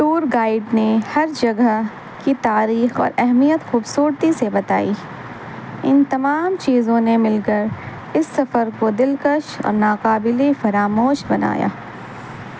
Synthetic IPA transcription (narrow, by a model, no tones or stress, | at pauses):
ʈuːɾɡaːɪɖnehɐɾd͡ʒɐɡə | kit̪aːɾiːxɔ̰ːɾɛɦmijət̪xuːbsuːɾt̪isebɐt̪a̰ːi | ɪnt̪ɐmaːmt͡ʃiːzõnemɪlkəɾ | ɪsːɐfəɾkod̪ɪlkəʃɔ̰ːɾnaːqaːbɪlefɐɾaːmoːʃbɐna̰ːja̰ː